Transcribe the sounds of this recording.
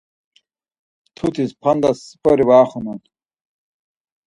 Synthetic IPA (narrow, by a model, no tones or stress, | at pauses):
t̪ʰut̪ʰispʰɐnd̪ɐsːi̥pɐɾiwaːχunu